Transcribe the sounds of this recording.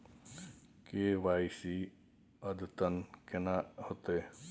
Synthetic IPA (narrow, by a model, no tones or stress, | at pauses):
keːʋaːisi | əd̪t̪ənkenahot̪e